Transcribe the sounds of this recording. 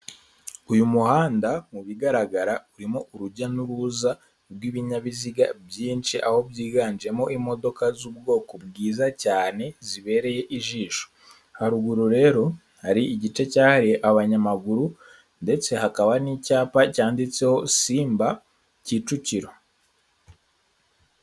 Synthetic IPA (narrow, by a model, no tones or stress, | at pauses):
ujumuhaːndamuβiɡaɾaɡaɾauɾimo̞ʔuɾuɟanuɾuza | ɾwiːβiɲaβiziɡabjiːnt͡ʃiʔaho̞bɟiːɡaːnd͡ʒie̞mo̞ʔimo̞do̞kazub̚ɡo̞ːkobɡiːzacaːne̞ziβe̞ːɾe̞je̞ʔiʒiːʃo̥ | haɾuɡuɾuɾe̞ːɾo̞ | haɾiiɟit͡ʃe̞caːhaɾiʔaβaɲamaɡuɾu | nde̞t͡se̞hakaβanicaːpacaːndit͡se̞ho̞siːmba | ciːt͡ʃuciɾo